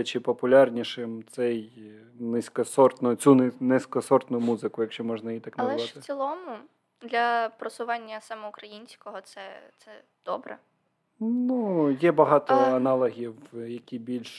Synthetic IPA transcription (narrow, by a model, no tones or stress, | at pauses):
ɐt͡ʃɪpɔpʊlʲɑrnʲiʃɪmt̪sɛj | nɪsʲkɔsɔrt̪nʊt͡sʲunnɪsʲkɔsɔrt̪nʊmuzɪkʊjɐkʃt͡ʃɔmɔʒnɐjit̪ɑknɐlzɛɛʋɑt̪ɪsʲilˠɔmʊ | d̪lʲɐpɾɔsʊʋɑnʲːɐsɑmɛʊkɾɐjinʲsʲkɔɦɔt̪sɛ̰t̪sɛ | d̪̥ɔbɾɛ̰ | nujɛbɐɦɑt̪ɔɐnɑlˠɐɦʲiwjɐkʲibʲilʲʃ